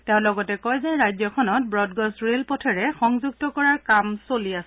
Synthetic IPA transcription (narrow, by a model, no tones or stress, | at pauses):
tɛʊ̃lɔɡɔtɛkɔjzɛɹajzjɔkʰɔnɔt̚bɹɔdɡɔsɹelpɔtʰɛɹɛxɔŋzuɡ̚tɔkɔɹaɹkamsoliasɛ